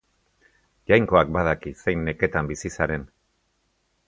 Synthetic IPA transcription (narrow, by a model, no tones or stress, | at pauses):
ʝajŋko̞ak̚bað̞akise̞jnːe̞ke̞t̪ambisisaɾe̞n